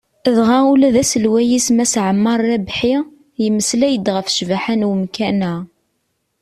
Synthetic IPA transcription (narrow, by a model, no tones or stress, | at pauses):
ðʁæulæðæsəlwæjismæsʕəmːɑɾˤːæbħi | jəmːəslæjəd̪ʁəfʃvaħænwəmkænæ